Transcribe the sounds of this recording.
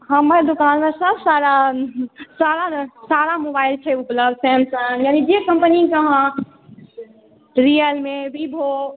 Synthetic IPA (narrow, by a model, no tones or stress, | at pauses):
ɦəməɾd̪ukanmesəbʱsaɾa | saɾasaɾamobaɪlt͡ʃʰɛupləbd̪̚sɛ̃nsənjaːnid͡ʒekə̃mpnikəɦã | ɾijəlmebʱibʱo